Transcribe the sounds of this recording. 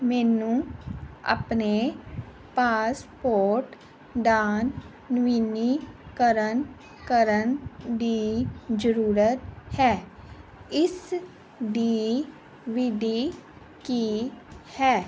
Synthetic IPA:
mɛːnũːa̰ːpne | paːspoːɾʈ | d̪aːnː | ʋiːniːkəɾən | kəɾənd̪iːd͡ʒəɾuːɾət̪hɛː | ɪs | ɖiː | ʋiːɖiː | kiːhɛː

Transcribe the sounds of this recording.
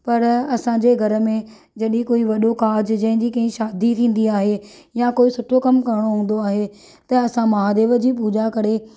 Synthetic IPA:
pɐɾɐsãɲd͡ʑeɡʱɐɾə̆mẽ | d͡ʑɐɗikoːiʋɐɗokaːd͡ʑd͡ʑɐ̃ɦɪ̃ɲd͡ʑiːkɐ̃ɦĩʃaːd̪ʱit̪ʰĩːn̆d̪iaːɦejãkoːisʊʈʰokɐmkɐɾɪɽ̃oɦũːn̆d̪oaːɦe | t̪ɐɐsãmɐɦaːd̪eːʋəd͡ʑiːp̬uːd͡ʑakɐɾe

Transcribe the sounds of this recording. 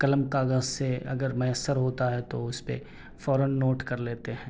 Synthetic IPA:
kɐləmkaːɡəzseɐ̰ɡəɾmɐjəsːəɾɦoːt̪aɦɛt̪oʊspḛ | fɔːɾənːoːʈkɐɾleːt̪eɦɛ̃ː

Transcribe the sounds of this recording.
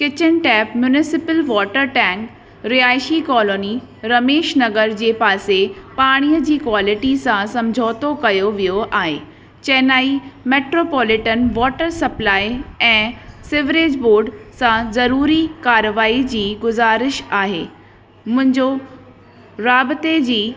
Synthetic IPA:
kɪt͡ɕɪnʈɛːpmjʊnɪsɪpəlʋɔːʈəɾʈɛ̃ːŋk | ɾiaːɪʃikɔːloːni | ɾɐmeːʃnɐɡəɾd͡ʑeːpaːsepaːɽ̃ijəd͡ʑiːkwaːlɪʈisãsɐ̃md͡ʑʱoːt̪okɐjoʋijoʔaːɦḛː | t͡ɕɛːnaːimeːʈɾoːpɔːlɪʈənʋɔːʈəɾsɐplaːiɛ̃ːsɪʋɾeːd͡ʑboːɾɖsãzɐɾuːɾikaːɾʋaːid͡ʑiːɡʊzaːɾɪʃaːɦḛː | mʊ̃ɦɪ̃ɲd͡ʑo | ɾaːbɪt̪ed͡ʑiː

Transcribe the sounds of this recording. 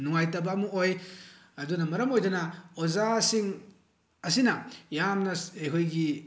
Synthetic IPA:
nuŋajtɐbaːmuoj | ɐdunɐmɐɾɐmojdɐnɐozasiŋ | ɐsinɐjamnɐejkʰojɡi

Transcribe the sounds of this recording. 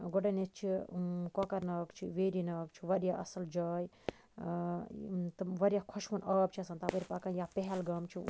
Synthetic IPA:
ɡoɖɐnet͡ʃʰikokɐɾnɐːkt͡ʃʰiʋeːɾinɐːkt͡ʃʰiʋɐɾjaɐ̰sɐld͡ʒaːj | t̪ʋɐɾʲjakʰɔʃʋunɐːbt͡ʃʰiɐsaːnt̪apəɾʲipakanjapeɦɛlɡɐmt͡ʃʰi

